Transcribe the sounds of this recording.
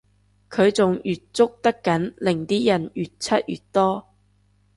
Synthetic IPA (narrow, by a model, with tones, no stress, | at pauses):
kʰɵ˨˧ɥt͡sʊ˨ŋjyː˨t̚t͡sʊ˥k̚t̪ɐ˥kːɐ˨˥nlɪ˨˩ŋt̪iː˥jɐ˨˩njyː˨˩t̚t͡sʰɐ˥t̚jy̰ː˨˩tt̪ɔː˥